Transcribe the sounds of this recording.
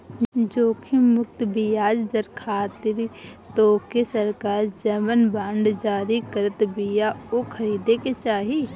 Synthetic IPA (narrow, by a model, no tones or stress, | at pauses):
d͡ʒoːkʰimʊkt̪bijaːd͡ʒd̪əɾkʰaːt̪ɪɾt̪oːkesəɾkaːɾd͡ʒəmənbãːɳɖd͡ʒaːɾikəɾət̪bijaokʰəɾiːd̪eket͡ʃaːɦi